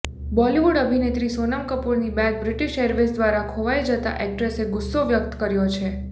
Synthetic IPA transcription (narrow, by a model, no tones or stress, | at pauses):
bɔliʋuɽəbʱinet̪ɾisonəmkəpuɾnibɛ̃k̚bɾɪʈiʃəɾʋesd̪ʋaɾakʰoʋajd͡ʒət̪a̰ʔɛk̚ʈɾeseɡʊsːoʋjək̚t̪kəɾjot͡ʃʰe